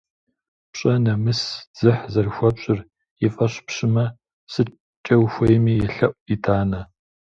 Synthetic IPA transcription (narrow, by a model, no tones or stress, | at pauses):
pɕʼɐnɐmɨsd͡z̥ɨħzɐrxʷɐpɕʼɪr | ɛfʼɐɕpɕɪmɐ | sɨ | t͡ʃʼɐwxʷɐjɛmiːjɛɬɐʔʷʼitʰaːnɐ